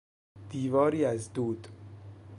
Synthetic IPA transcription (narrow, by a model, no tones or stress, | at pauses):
d̪̥iːvɒːɾiːæzd̪uːd̪̥